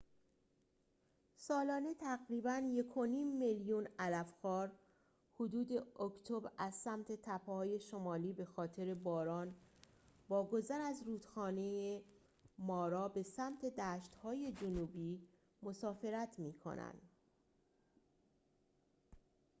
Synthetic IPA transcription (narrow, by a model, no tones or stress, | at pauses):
sɒːlɒːne̞t̪ʰæɣɾiːbænje̞kʰo̞niːmːeljunælæfxɒːɾ | hod̪uːd̪e̞okt̪ʰobɾæzsæmt̪ʰe̞t̪ʰæpʰːhɒːje̞ʃo̞mɒːliːbe̞xɒːt̪ʰe̞ɾe̞bɒːɾɒːn | bɒːɡo̞zæɾæzɾuːd̪̥xɒːneje | mɒːɾɒːbe̞sæmt̪ʰe̞d̪æːʃt̪hɒːje̞d͡ʒonuːbiː | mo̞sɒːfe̞ɾæt̪ʰmiːkʰo̰næ̰nd̪̥